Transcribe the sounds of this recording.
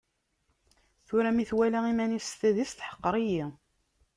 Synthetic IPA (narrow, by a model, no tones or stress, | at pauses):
θʊɾæmiθwælæimænifst̪æðifθħə̥qːəɾˤiji